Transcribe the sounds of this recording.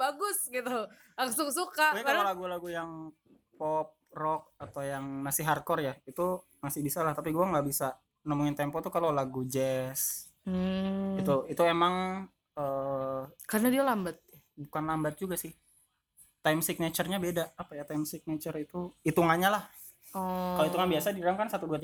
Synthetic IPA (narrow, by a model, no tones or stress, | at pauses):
baɡʊsɡit̪u | aksuksukaakaolaɡulaɡujaŋ | pɔp̚rɔk̚at̪awjaŋnasɪɦarkɔrjait̪u | masɪhbisalaht̪apiɡuaŋɡabisa | nəmuŋɪnt̪ɛmpɔt̪ukalolaɡud͡ʒɛs | it̪uit̪uemaŋ | əːkarnadialambat̪̚ | bukanlambat̪̚d͡ʒuɡasɪh | t̪ajmsik̚nat͡ʃərɲabedaːpajat̪ajmsik̚net͡ʃərit̪uit̪uŋaɲalah | ɔkaloit̪uŋanbiasadiɾaŋkansat̪uduat̪